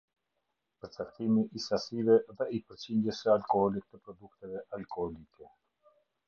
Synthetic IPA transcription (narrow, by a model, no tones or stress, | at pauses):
pəɾt͡sakt̪imiʔisasivɛðɛipəɾt͡ɕind̪jəsəalkɔhɔlik̚t̪ːəpɾɔd̪uk̚t̪ɛvɛʔalkɔhɔlikɛ